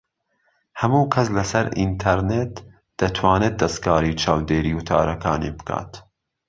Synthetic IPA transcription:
hɐmuːkʰɐslɐsɐɾint̪ʰɐɾnet̪ | d̪̥ɐt̪ʰwɑːneːt̪̚d̪ɐst̪kɑːɾiːt͡ʃʰɑːwd̪eːɾiːwt̪ʰɑ̰ːɾɐkʰɑːnḭːbɨ̥kʰɑ̰ːt̪

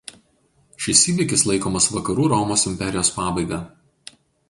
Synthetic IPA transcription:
ʃʲɪsiːʋʲɪkʲɪslˠɐɪkoːmɐsʋɐkɐɾuːɾɔmoːsɪmʲpʲɛɾʲɪjoːspɑːbɐɪɡɑː

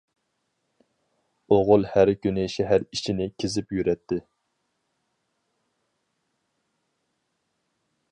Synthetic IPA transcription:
oʁʊlˠhæɾkʲʰynɪʃɛɦæɾit͡ʃʰinɪkʲʰɪzɪpjyɾɛt̪ʰːɪ

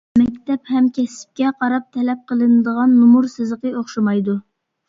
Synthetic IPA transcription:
mɛkʲt̪ɛphɛmkʲɛsɪ̥p̚kʲɛqʰɑɾɑp̚t̪ʰɛlɛp̚qʰəlˠɨnɨd̪əʁɑnːumuɾsɨzəqəoχʃɨmɑjd̪u

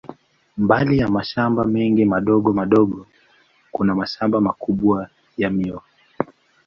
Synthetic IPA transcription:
mbalijamaʃambamɛŋɡimaɗɔɠɔmaɗɔɠɔ | kunamaʃambamakuɓwa | jamiɔ

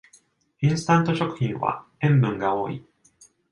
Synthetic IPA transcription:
ĩɰ̃sɨ̥t̪ãnt̪o̞ɕo̞kɯ̟̥çĩɰ̃βa̰ẽ̞mbɯ̟̃ŋɡao̞ːi

